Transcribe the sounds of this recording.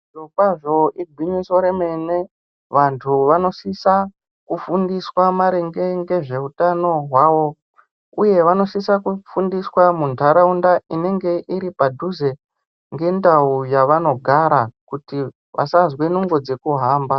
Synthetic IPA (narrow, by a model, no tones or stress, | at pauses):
okaʐo̞ʔiɡʱwiɲiso̞ɾeme̞ne̞ | ʋantʰuʋano̞sisa | kufundiswamaɾeŋɡe̞ŋɡe̞ʐe̞utano̞ɦwaːʋo̞ | uje̞ʋano̞sisakufundiswamuntaɾaundaine̞ŋɡe̞ʔiɾipadʱuze̞ | ŋɡe̞ndaujaʋano̞ɡʱaɾakuti | ʋʔa̰sazwenuŋɡo̞d͡ze̞kuɦaːmba